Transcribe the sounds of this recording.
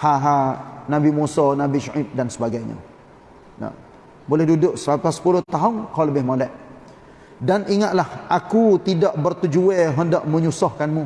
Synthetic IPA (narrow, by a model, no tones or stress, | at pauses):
haɦanabimusɔnabiʃaʔip̪̚dansəbaɡajɲã̰ | na̰ | bolɛhdudʊʔsəbap̚kasə̥pulʊht̪aɦʊnkawləbɪhmolɛʔ | danʔiŋat̪̚lahʔakut̪idaʔbərt̪ud͡ʒuɛɦəndaʔmə̃ɲusɔhkanmu